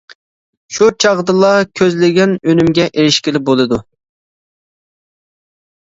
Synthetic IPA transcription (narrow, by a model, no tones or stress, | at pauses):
ʃut͡ʃʰɑʁd̪ɨlˠɑkʲʰøzlɪɡʲɛnønymɡʲɛʔeɾɪʃkʲɪlɪp̚bolˠɨd̪u